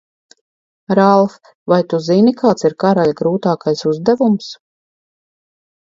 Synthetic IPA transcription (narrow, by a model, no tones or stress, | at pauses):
ɾalˠf | vajt̪uzinikʰaːt̪siɾkaɾalʲɡɾuːt̪aːkajsuzd̪ævums